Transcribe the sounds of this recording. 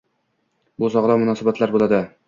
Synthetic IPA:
bʊsɒʁd̪ɒmʊnɒsabat̪ʰlaɾbolˠad̪ɪ

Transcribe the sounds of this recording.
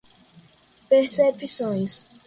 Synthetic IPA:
peɾsepisõj̃s

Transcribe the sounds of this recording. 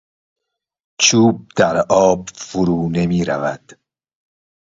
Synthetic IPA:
t͡ʃʰuːb̚d̪̥æɾɒːbfʊɾuːnemiːɾævæd̪̥

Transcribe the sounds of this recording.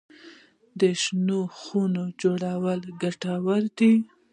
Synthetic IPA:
d̪əʃnoxunod͡ʒoɽawəlɡaʈawaɾd̪i

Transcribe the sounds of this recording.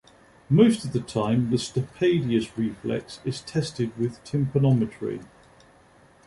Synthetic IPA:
məʊstəvðətʰãɪ̃mðəstəpʰeɪdiəsɹiˑflɛ̰ksɪz̥tʰɛstɪd̚wɪð̥tʰɪ̃mpʰənɒmɪtʰəɹḭ

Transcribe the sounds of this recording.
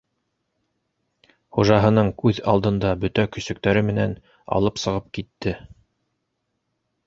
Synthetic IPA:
χuʒɑɦɤ̆nɤɴkʉðɑ̰lˠd̪ɤ̆nd̪ɑbɵ̆t̪ækɵ̆sɵ̆kt̪æɾɘmɘ̆næn | ɑ̰lˠɤpsɤ̆ʁɤp̚kit̪ːɘ

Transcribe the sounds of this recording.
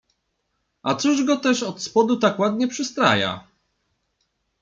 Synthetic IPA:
ʔat̪suʐɡɔt̪ɛʂɔt̪spɔd̪ut̪akwad̪ɲɛpʂɘst̪ɾa̰ja̰

